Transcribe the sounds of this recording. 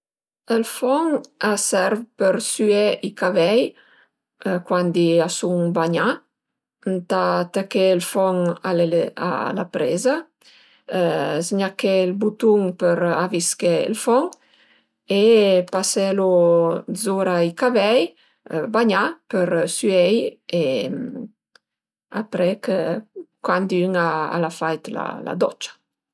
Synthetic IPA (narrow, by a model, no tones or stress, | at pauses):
əlfɔŋasɛɾvpəɾsyeʔikavɛj | kwand̪iasuŋbaɲa | ənt̪at̪əkeəlfɔŋalea̰la̰pɾḛza | zɲakelbut̪uŋpəɾaviskḛlfɔŋ | epasɛlozoɾaikavɛj | baɲapəɾsyɛjem | a̰pɾɛkəkwand̪yŋaa̰lafajt̪la̰la̰d̪ɔt͡ʃḁ